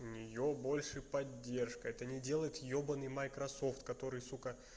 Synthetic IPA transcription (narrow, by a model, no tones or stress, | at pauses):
ʊnʲɪjobo̞lʲʂɨpɐdʲːe̞rʂkəɛt̪ənʲɪdʲe̞lˠəjɪt̪jo̞bənɨjmɐjkɾɐso̞ft̪kɐt̪o̞ɾɨjsukə